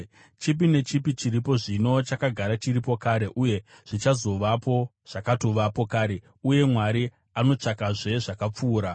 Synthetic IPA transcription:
t͡ʃip̬ine̞t͡ʃipit͡ʃiɾipo̞ʐino̞t͡ʃakaɡʱaɾat͡ʃiɾipo̞kaːɾe̞ʔuje̞ | ʐ̥it͡ʃazo̞ʋapo̞ | ʐ̥akato̞ʋapo̞kaːɾe̞ | uje̞mwaɾi | ano̞t͡ʂakaʐe̞ʐakap͡fuːɾa

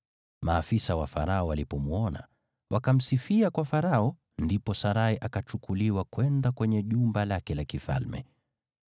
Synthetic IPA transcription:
maːfisawafa̰ɾaɔwalipɔmuɔna̰ | wʔakam̩sifiakwafaɾaɔ | ndipɔsaɾaiʔakat͡ʃukuliwakwɛndakwɛɲɛʄumbalakɛlakifa̰lmɛ̰

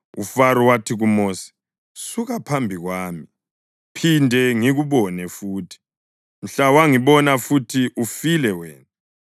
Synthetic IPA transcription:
ufaɾuwatʰiɣumoːsi̥ | suɣapʰambʱiɣwaːmi | pʰindʱɛŋiɣuβɔnɛfuːtʰi̥ | m̩ɬawaŋiβɔnafutʰiʔufilɛwɛ̰ːnt͡sʼɛ

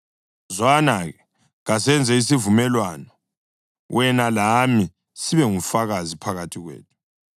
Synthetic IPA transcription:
zwanaɣɛ | ɣasɛnd͡zʱɛis̬ivumɛlwanɔ | wʔɛnalami | siβɛŋufaɣazipʰaɣatʰiɣwḛːtʰu̥

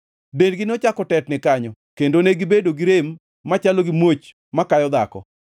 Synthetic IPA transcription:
benɡɪnɔt͡ʃakɔtɛtnɪkaɲɔ | kendoneɡɪbedoɡɪɾemː | at͡ʃaloɡɪmwot͡ʃ | makajɔd̪akɔ̰

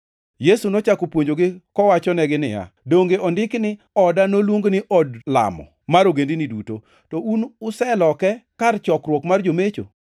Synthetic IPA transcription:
jesunɔt͡ʃakopwoɲd͡ʒoɡɪkɔwat͡ʃɔnɛɡɪnɪ̰ja̰doŋɡeʔɔndɪknɪ | ɔdanolwoŋɡnɪʔɔdla̰mɔ̰ | maɾoɡendiniduto | tɔunʊsɛlɔkɛkart͡ʃɔkrwɔkmard͡ʒomet͡ʃo̰

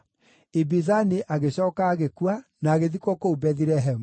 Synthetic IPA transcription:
ebizaneʔaɣeɕɔːkaːɣekwanaːɣeðikɔkoubɛðiɾɛɦɛmu

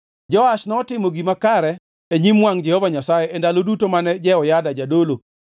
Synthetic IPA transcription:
d͡ʒɔaʃnɔːtɪmoɡimakaɾɛ | eɲimwaŋd͡ʒɛhɔvaɲasajɛendalodutomanɛd͡ʒɛɔjadad͡ʒadolo

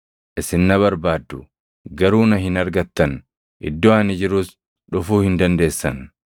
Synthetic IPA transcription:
ʔɪsɪnːɐβɐɾbaːd̪ːʊ | ɡɐɾuːnɐɦɪnɐɾɡɐt̪ːɐn | ʔɪ̰d̪ːoːɐnɪd͡ʒɪɾʊs | ᶑʊfuːhɪnd̪ɐnd̪e̞ːsːɐn

